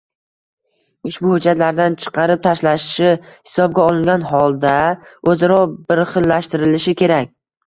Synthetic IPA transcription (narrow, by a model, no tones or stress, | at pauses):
ɪʃbʊhʊd͡ʒat̪laɾd̪ant͡ʃʰɨ̥qʰɑɾɪp̚t̪ʰaʃlaʃɪ̥ʃɪhɪ̥sɒb̚ɡʲaɒlˠɪŋɡʲanɦɒlˠd̪aɵzaɾɒbɪɾχɨlːaʃt̪ɪɾɪlɪʃɪkʲʰe̞ɾakʲ